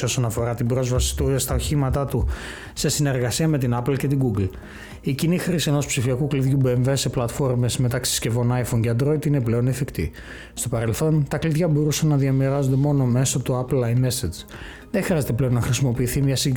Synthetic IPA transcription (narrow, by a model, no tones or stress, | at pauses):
o̞so̞nɐfo̞ɾɐt̪ibɾo̞zvɐsi̥t̪ust̪ɐo̞çimɐt̪ɐt̪u | se̞sine̞ɾɣɐsiɐme̞t̪inɐplce̞t̪iɡuɡl | icinixɾisieno̞spsifiɐkukliðʝubeɱveseplɐt̪fo̞ɾmezme̞t̪ɐksi̥sce̞vo̞nɐjfonceɐnd̪ɾo̞it̪ine̞ple̞o̞nefikt̪ḭ | st̪o̞pɐɾe̞lθo̞nt̪ɐkliðʝɐbo̞ɾusɐnːɐðiɐmiɾɐzond̪e̞mo̞no̞me̞sot̪uɐplɐjmesed͡z | ðexɾiɐzet̪e̞ple̞o̞nːɐxɾisimo̞piːθimɲɐsi